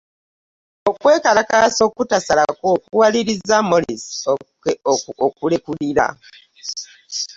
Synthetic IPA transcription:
okwe̞ːkalakaso̞ːkutasalakoːkuwaliɾizamolis | okulekuliɾa̰

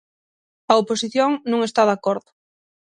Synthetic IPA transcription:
ɐoposiθjoŋnũŋest̪aðakoɾðʊ

